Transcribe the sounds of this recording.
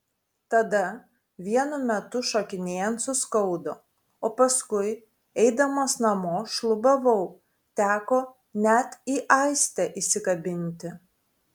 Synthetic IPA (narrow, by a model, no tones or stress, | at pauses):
t̪ɐd̪ɐ | ʋʲiɛnʊmʲɛt̪ʊʃoːkʲɪnʲeːjɛnt̪sʊskɔʊd̪oː | oːpɐskʊɪ | ɛɪd̪ɐmoːsnɐmoːʃlˠʊbɐʋɐʊ | t̪ʲæːkoː | nʲɛt̪iːʔɐɪsʲt̪ʲɛʔisʲɪkɐbʲɪnʲt̪ʲɪ